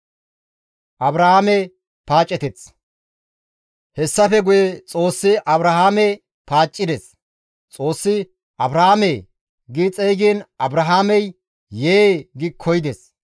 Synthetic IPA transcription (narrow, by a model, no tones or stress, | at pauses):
ʔɐbɾɐhaːmɛ | paːt͡ʃʼːɛt̪ɛt͡s | hɛsːɐfɛɡʊjet͡sʼo̞ːsːɪʔɐbɾɐɦaːmɛ | paːt͡ʃʼːɪd̪ɛs | t͡sʼo̞ːsːɪ | ʔɐbɾɐhamɛ | ɡɪt͡sʼɛːɡiːnʔɐbɾɐɦaːmɛj | jeːɡɪkʰɔjd̪ɛs